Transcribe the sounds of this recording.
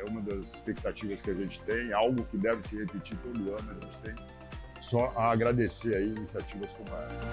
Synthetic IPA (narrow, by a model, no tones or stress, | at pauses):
ɛũmɐd̪ɐzispek̚t̪at͡ʃivɐskɪaʒẽnt͡ʃɪ̥t̪ẽj̃awɡʊkɪd̪ɛvɪsɪhepit͡ʃit̪od̪ʊɐ̃nʊaʒẽnt͡ʃɪ̥t̪ẽj̃ | sɔʔaːɡɾad̪eseaiinisiat͡ʃivɐskõmɛs